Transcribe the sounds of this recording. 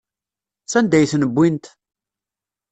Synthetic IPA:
t͡sːænd̪æjθnəbːint̪

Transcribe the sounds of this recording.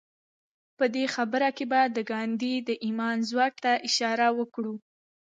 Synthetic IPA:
pəd̪exabəɾakebad̪əɡɑnd̪id̪əʔimɑnzwɑk̚t̪aʔɪʃɑɾawəkɽu

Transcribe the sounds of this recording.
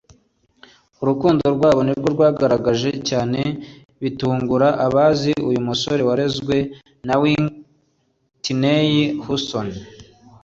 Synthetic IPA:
uɾukuːndo̞ɾɡwaːβo̞niɾɡo̞ɾɡwaːɡaɾaɡaʒe̞caːne̞ | βituːŋɡuɾaʔaβaːziujumuso̞ɾewaɾe̞zɡwe̞ | nawi | tinejihuson

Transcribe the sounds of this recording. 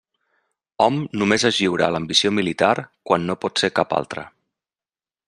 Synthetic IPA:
ɔmnumezəʒiwɾa̰ləmbisiomilit̪aɾkwanːopɔt̪seɾkapa̰lˠt̪ɾə̰

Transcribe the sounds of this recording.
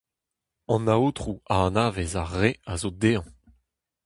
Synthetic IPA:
ɑ̃naoːt̪χuaɑnaːvezaʁeazod̪eːɑ̃

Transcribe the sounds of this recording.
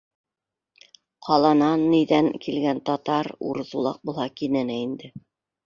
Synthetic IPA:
qʰɑlˠɑnɑnːiðæŋkilɡænt̪ɑt̪ɑɾṵɾɤzulˠɑ̰q̚bulˠhɑkinænæind̪ɘ

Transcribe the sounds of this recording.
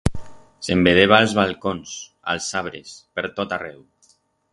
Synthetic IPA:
sembeðeβ̞alˠzβalˠkons | a̰lˠsaβ̞ɾḛspeɾt̪ot̪arɛw

